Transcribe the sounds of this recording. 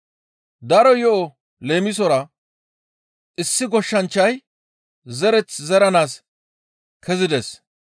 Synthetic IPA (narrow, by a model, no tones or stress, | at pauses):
d̪ɐɾɔjɔʔɔ | le̞ːmɪs̬ɔɾɐ | ʔɪsːɪɡɔʃːɐnt͡ʃːɐj | zɛɾɛt͡szɛɾɐnaːs | kʰɛzɪd̪ɛs